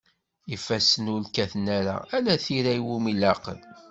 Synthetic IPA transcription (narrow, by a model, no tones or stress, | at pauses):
ifæsənʊlkæθnæɾæ̰ælæθiɾæiwumilɑqə̰l